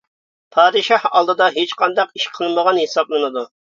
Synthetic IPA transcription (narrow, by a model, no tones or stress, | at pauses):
pʰɑːd̪ɨʃɑhɑlˠd̪ɨd̪ɑɦet͡ʃqʰɑnd̪ɑqiʃqʰəlˠɨnməʁɑnhesɑblˠɨnɨd̪u